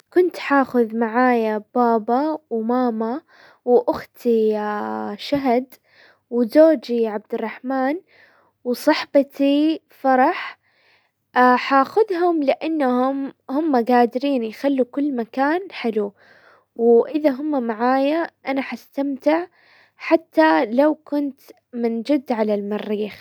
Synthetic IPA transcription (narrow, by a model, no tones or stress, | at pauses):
kʊnt̪ħaːxʊðmaʕaːjab̥aːbɑwmaːma | wʔʊxt̪ʰi | ʃaɦad̪ | wzoːd͡ʒiʕab̚d̪ɪrˤːɑħmaːn | wsˤɑħbat̪i | fɑɾˤɑħ | aħaːxʊðɦʊmlɪʔanːahʊmhʊmːaɡaːd̪ɾiːnjxalːukʊlːmakaːnħɪlu | wʔɪðaɦʊmːamaʕaːjaʔanaħast̪amt̪ɪʕ | ħat̪ːalawkʊnt̪ | mɪnd͡ʒɪd̪ːʕalalmɑrːiːx